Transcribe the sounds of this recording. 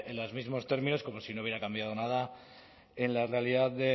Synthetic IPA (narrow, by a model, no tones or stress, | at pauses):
enlozmizmo̞st̪e̞ɾmĩno̞sko̞mo̞sinouβjeɾakambjað̞onað̞a | e̞nlare̞aliðaððe̞